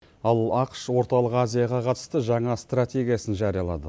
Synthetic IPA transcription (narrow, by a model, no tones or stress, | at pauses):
ɑlˠɑqʃwo̞ɾt̪ɑlˠəqazʲijaʁɑqʰɑt̪ə̥st̪əʒɑɴɑst̪rat̪ʲe̞ɡʲijasənʒɑɾijɑlˠɑ̰d̪ə̰